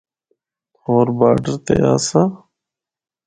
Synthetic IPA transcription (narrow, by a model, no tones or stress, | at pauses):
oːɾbaːɖəɾt̪ḛaːsaː